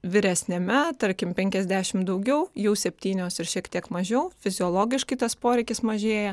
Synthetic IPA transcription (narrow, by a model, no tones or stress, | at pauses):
ʋʲɪɾʲɛsʲnʲɛmʲɛt̪ɐɾʲkʲɪmpʲɛŋʲkʲɛzʲd̪ʲæːʃʲɪmd̪ɐʊɡʲɛʊjɛʊsʲɛpʲt̪ʲiːnʲoːsɪɾʃʲiɛkt̪ʲiɛkmɐʒʲɛʊfʲɪzʲɪɔːlˠoːɡʲɪʃkɐɪt̪ɐspoːɾʲɛɪkʲɪsmɐʒʲeːjɛ